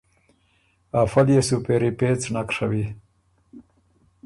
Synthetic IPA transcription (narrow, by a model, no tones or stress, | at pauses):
afaljesupeɾipet͡snakʂawi